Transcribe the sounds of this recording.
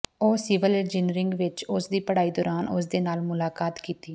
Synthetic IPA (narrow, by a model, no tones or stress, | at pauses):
oːsɪːʋəled͡ʒiːnɾɪŋɡʋɪt͡ʃʊsd̪iːpəɽaːiːd̪ɔːɾaːnʊsd̪eːnaːlmʊlaːkaːt̪kiːt̪iː